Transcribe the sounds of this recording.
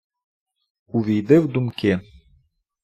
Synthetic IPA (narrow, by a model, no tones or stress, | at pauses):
uvʲijd̪ɘwd̪umkʲe